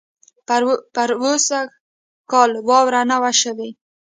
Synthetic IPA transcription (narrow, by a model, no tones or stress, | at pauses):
paɾwosa | kɑlwɑwɾanawaʃəwe